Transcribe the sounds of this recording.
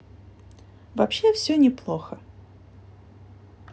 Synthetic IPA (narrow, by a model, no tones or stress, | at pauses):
vɐpɕefsʲɵnʲɪplˠoxə